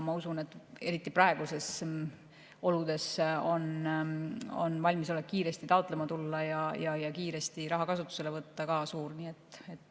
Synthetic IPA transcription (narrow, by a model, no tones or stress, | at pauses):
mɑusune̞t̪ːˑe̞ɾit̪ˑːiprɑe̞ɡ̥use̞s | o̞lud̪̥e̞so̞n | o̞̰nvɑlʲmiso̞lːekkiːɾe̞st̪it̪ɑut̪le̞mɑt̪ulːɑjɑjɑjɑkiːɾe̞st̪iɾɑɦɑkɑsut̪ˑːu̥se̞le̞vɤt̪ːɑkɑːsuːrniːe̞t̪ːˑet̪ːˑ